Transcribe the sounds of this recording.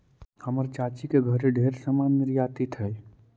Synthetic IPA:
həməɾt͡ʃat͡ʃikeɡʱəɾeɖʱeːɾsamanːɪɾjaːt̪it̪ɦɛː

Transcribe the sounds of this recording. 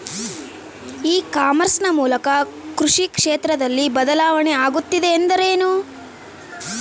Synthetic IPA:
iːkaːmɐɾsnɐmuːlɐkɐ | kɾuʂikʂeːt̪ɾɐd̪ɐlːibɐd̪ɐlaːʋɐɳeaːɡut̪ːid̪e̞ːnd̪ɐɾeːnu

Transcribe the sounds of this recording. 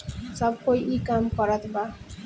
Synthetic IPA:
sʌb̚kojʔikamkʌɾʌt̪ʰba

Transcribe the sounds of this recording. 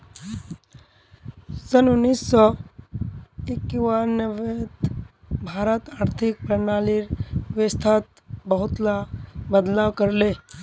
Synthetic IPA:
sənʊnːiːsːɔ | ekjuwanəʋet̪ | bʱaːɾət̪aːɾt̪ʰɪk̚pɾənaːliɾʋest̪ʰaːt̪̚ | bəɦʊt̪labəd̪laːwkəɾleː

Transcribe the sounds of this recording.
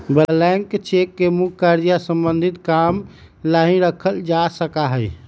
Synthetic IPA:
bəlaŋkt͡ʃekːemukʰːaɾijasəmbənd̪ʱit̪kam | laɦĩɾəkʰəld͡ʒasəkaɦəj

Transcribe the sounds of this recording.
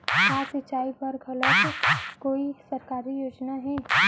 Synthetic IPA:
aːsɪt͡ʃːaːipɐɾɡʱɐlət̪koːisɐɾkaːɾijoːd͡ʒnaɦɛː

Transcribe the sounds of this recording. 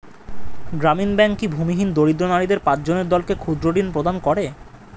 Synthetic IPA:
ɡɾaminbɛŋkkːibʱumiɦind̪oɽid̪ɾonaɽid̪eɾpãt͡ɕd͡ʑoneɾd̪ɔlkekʰud̪ɾoɖinpɾod̪ankɔɾe

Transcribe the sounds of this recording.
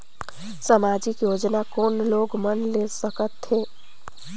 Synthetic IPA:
samaːd͡ʒɪkjoːd͡ʒnakoːnloːɡmənlesəkət̪ɦeː

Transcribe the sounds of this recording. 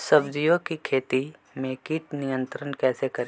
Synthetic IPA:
sɐbd̪ijokikʰeːt̪i | mẽkiʈnɪjə̃nt̪ɾənkɛːsekɐɾe

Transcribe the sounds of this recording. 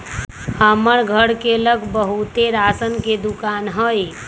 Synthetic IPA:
həməɾɡʱəɽkeləɡbəɦut̪eɾasənked̪ukaːnɦəj

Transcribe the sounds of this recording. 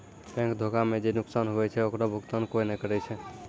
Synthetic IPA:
pɛ̃ŋkd̪ʱokamed͡ʒenʊksanɦoɛt͡ʃʰɛokɾɔbʱukt̪ankoinɛkəɾɛt͡ʃʰɛ

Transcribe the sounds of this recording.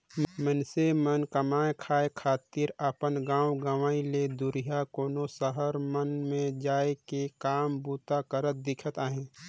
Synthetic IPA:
mənsemənkəmaːekʰaːekʰaːt̪iːɾəpənɡãːwɡəʋaːiled̪ʊɾɪjakoːnosəɦəɾmənmẽd͡ʒaːekekaːmbuːt̪akəɾət̪̚d̪ɪkʰət̪aːɦẽː

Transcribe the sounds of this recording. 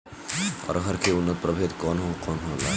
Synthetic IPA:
ɔ̰ːɾɦɐɾkʰeʊnːət̪̚pɾɐbʱeːt̪kɔːnɦokɔːnɦõːla̰ː

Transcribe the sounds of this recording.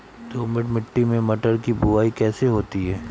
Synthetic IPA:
t̪oːmɪʈmɪʈːimẽmɐʈəɾkibʊaːikɛːseɦoːt̪iɦɛː

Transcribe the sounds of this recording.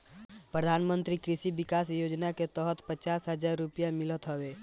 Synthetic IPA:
pɾəd̪ʱaːnmə̃nt̪ɾikɾɪʃiʋɪkaːsjoːd͡ʒnaket̪ɔːɦət̪pət͡ʃaːsɦəd͡ʒaːɾːʊpjamɪlət̪ɦoʋeː

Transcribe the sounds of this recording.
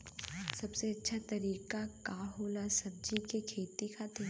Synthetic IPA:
sɐbseɐtːʃʰat̪ɐɾiːkakaːɦoːlasɐb̚d͡ʒikekʰeːt̪ikʰat̪ʰe

